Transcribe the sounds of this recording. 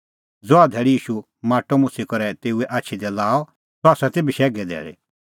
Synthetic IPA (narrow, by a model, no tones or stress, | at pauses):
d͡zoad̪ʱɛːɭiiːʃu | maːʈːɔmʊ̃sikɔɾɛt̪eːuɛʔaːt͡ʃʰid̪ɛlaːɔ | tɔaːsat̪eːbiʃɛːɡɛd̪ʱɛ̰ːɭḛ